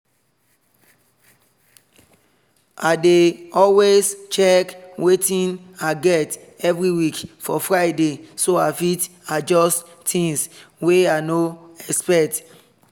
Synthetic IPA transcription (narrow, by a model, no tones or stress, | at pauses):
adeɔlwest͡ʃɛkwʔetĩnaɡɛt | ɛvɹiwikfɔfɹaɪdesoafit | ad͡ʒɔst | tĩŋsweanoɛkspɛk̚t